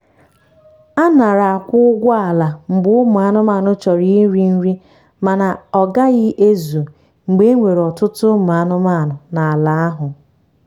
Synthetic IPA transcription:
a˦na˨ɾa˨a˨kʷʊ˦ɡʷɔ˦a˨la˨ŋ͡m̩˨bʊ˦ʊ˦mʊ˨a˦nʊ˦ma˦˨nʊ˦t͡ʃɔ˨ɾi˦ɾi˦n̩˦ɾi˦ | ma˨na˨ɔ˨ɡa˦ɣɪ˦ʔe˦zu˨ | ŋ͡m̩˨ɡ͡be˦e˦ŋʷe˨ɾɔ˨tʊ˦tʊ˦mʊ˨a˨nʊ˦ma˦˨nʊ˨na˨a˨la˨a˦ɦʊ˨

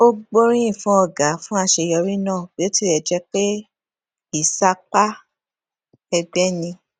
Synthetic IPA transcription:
o˦ɡ͡bo˦ɾ̃ĩ˦ĩ˦˨fũ˦ɔ˧˨ɡa˨˦fũ˦a˧ʃe˧jɔ˧ɾi˦nãː˦˨b̥i˨˦o˦ti˦˨ɾɛ˨d͡ʒɛ˧˦k͡pe˦ | i˦˨sa˧k͡pa˦ | ɛ˧ɡ͡bɛ˦nĩ˧

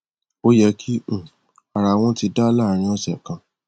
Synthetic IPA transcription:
o˦jɛ˧kʰĩ˦˨ | a˨ɾa˧w̃ɔ̃˦ti˧da˦la˦˨ɾ̃ĩ˧˦ɔ˧sɛ˨kã˧

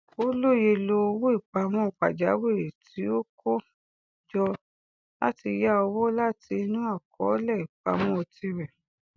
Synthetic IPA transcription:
o˦lo˦˨je˧lo˧o˧wo˦i˦˨k͡pa˧mɔ̃˦˨k͡pa̰˨d͡ʒa˨˦we˦˨e˨tʰi˨˦o˦kʰo˦ | d͡ʒɔ˧ | la̰˦ti˧ja˦ɔ˧wɔ˦la˦ti˧nũ˦a˦˨kʰɔ̰˨˦lɛ˦˨i˨k͡pa̰˧mɔ̃˦o˧ti˧ɾɛ˨

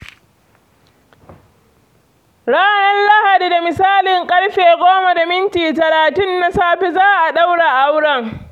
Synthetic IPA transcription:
ɽaː˦nɐ˦nla˦ha˨di˨da˨mɪ˨saː˦lɪ˨ŋkʼɐ˦ɽɸeː˨ɡʷoː˦ma˨da˨mɪ˦ntiː˨tɐ˨laː˨tʊ˦nːa˨saː˦ɸe˦zaː˦ʔa˨ɗa˦wɽa˨ʔa˦wɽɐ˨ŋ

